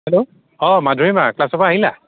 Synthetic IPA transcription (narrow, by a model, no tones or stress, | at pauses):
hɛlo | ɔmadʱuimaklasɔpaaɦila̰